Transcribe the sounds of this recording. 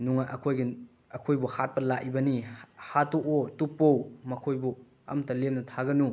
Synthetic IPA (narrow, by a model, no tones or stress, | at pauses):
nuŋaʔɐkʰojɡɐ | ɐkʰojbuhat̚pɐlaʔibɐnihatoʔotupːowmɐkʰojbu | ɐ̰mtɐlemnɐtʰaɡɐnu